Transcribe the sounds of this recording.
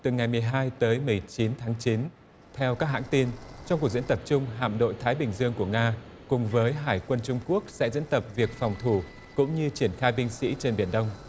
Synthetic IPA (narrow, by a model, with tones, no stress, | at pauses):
t̪ɨ˨˩ŋa˨˩jmɨ˨˩əjɦaː˧jt̪əː˨˦jmɨ˨˩əjt͡ɕi˨˦nt̪ʰaː˨˦ŋt͡ɕi˨˦n | t̪ʰɛ˧wkaː˦˥k̚ɦa̰ː˧˥ŋt̪i˧nt͡ɕŋ͡mku˨˩zḭ˧˥ənt̪ə˨˩p̚t͡ɕʊ˧ŋ͡mɦa̰ː˧˨mɗo̰˧˨jt̪ʰaː˨˦jɓï˨˩ŋ̟zɨ˧əŋku˧˩əŋaː˧ | kʊ˨˩ŋ͡mvəː˨˦jɦaː˧˩jkwə˧nt͡ɕʊ˧ŋ͡mku˦˥ək̚sɛ̰˧˥zḭ˧˥nt̪ə˨˩p̚vi˨˩ək̚fɑ˨˩wŋ͡mt̪ʰu˧˩ | kʊ̰˧˥ŋ͡mɲɨ˧t͡ɕi˧˩ənxaː˧jɓï˧ŋ̟sḭ˧˥t͡ɕe˧nɓi˧˩ənɗə˧wŋ͡m